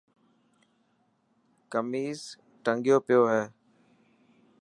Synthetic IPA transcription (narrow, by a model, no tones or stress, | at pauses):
kəmiːz | ʈəŋɡjoːpɪjoːɦɛː